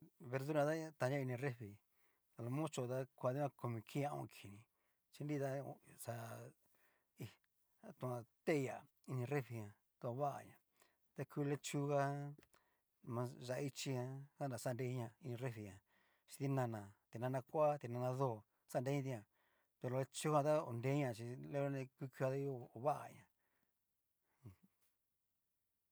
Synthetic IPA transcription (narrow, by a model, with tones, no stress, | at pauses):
βe˧ɾðu˦ɾã˧t̪a˦t̪ã˨˧˦ã˦˧i˧nĩ˧re˦fi˨ | a˨˧lo˧mõ˦t͡ʃo˧t̪a˦kʷa˧ði˦ã˧ko˧mĩ˧kʰĩ˦ã˦˧õ̰˧˨˧kʰi˨nĩ˨ | t͡ʃi˧ndi˦t̪a˦˧sa˧ | i˧ | t̪ũ˧ã˧t̪e˦˧ja˨ | i˧nĩ˧re˦fi˧ɲã˧ | t̪u˧a˧βa˦ʔa̰˧ɲã̰˨ | t̪a˦kʰuː˦˧le˦˧t͡ʃu˦˧ɣa˦ | mã˧ʒa˧ʔi˧t͡ʃi˧ɲã˧sa˦n˧a˨˧sa˦˧nde˧˦ɲã˧i˧nĩ˧re˦fi˧ɲã˨ | t͡ʃi̥˧t̪i˦nã˧nã˨t̪e˨nã˧nã˧kʷa˦t̪e˧nã˧nã˧ðo˦˨ | sa˦˧de˧˦ɲã˦t̪i˧ɲã˧˨ | t̪u˧o˧e˧t͡ʃu˦kã˧t̪a˦o˨nde˦ɲã˧˨t͡ʃi˧le˦lo˦nẽ˧kʷi˧kʷu˧a˧t̪a˦jo˦˨o˨βa˦ʔa̰˨ɲã˨˧